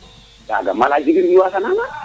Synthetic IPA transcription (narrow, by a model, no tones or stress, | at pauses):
da̰ɡa̰malad͡ʒiɡiɾdiwasanana